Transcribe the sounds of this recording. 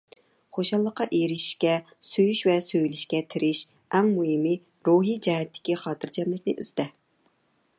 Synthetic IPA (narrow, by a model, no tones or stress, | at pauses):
χoʃɑlˠːəqːɑʔeɾɪʃi̥ʃkʲɛ | søjyʃvɛsøjlɪʃkʲɛt̪ʰɪɾɪʃ | ɛŋmuɦɪmi | ɾuɦid͡ʒɛɦɛt̪ʰːɪ̥kʲiχɑːt̪ʰɨɾd͡ʒɛmlɪkʲnɪʔḭzd̪ɛ